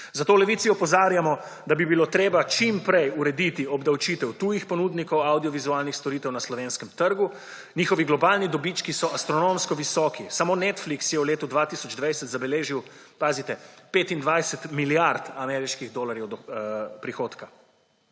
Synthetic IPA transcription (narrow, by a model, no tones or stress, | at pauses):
zat̪oːlɛʋiːt̪siɔpɔzaːɾjamɔ | d̪abibiloːt̪ɾeːbat͡ʃimpɾɛjuɾɛd̪it̪iɔbd̪awt͡ʃit̪ɛwt̪uːjixpɔnud̪nikɔwawd̪iɔʋizualnixst̪ɔɾit̪ɛwnaslɔʋeːnskɛmt̪əɾɡu | nʲiːxɔʋiɡlɔbaːlnid̪ɔbit͡ʃkisɔʔast̪ɾɔnomskɔʋisɔːkisamoːnɛt̪fliksjɛwleːt̪ud̪ʋat̪isɔd͡ʒd̪ʋajsɛt̪zabɛleːʒiw | paːzit̪ɛpeːt̪ind̪ʋajsɛt̪miljaɾt̪amɛːɾiʃkiɣd̪oːlaɾjɛwd̪ɔpɾixoːt̪ka